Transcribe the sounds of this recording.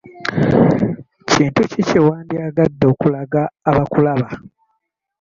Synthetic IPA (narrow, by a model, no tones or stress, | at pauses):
ciːntucicewaːndiaɡadːo̞ːkulaɡaːβakulaβa